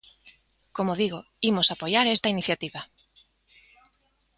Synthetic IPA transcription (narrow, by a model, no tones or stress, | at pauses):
komoðiɣo | imʊsapojaɾest̪ainiθjat̪iβa